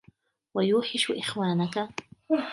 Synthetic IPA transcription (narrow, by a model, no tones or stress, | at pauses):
wajuːħɪʃʊʔeχwaːnaka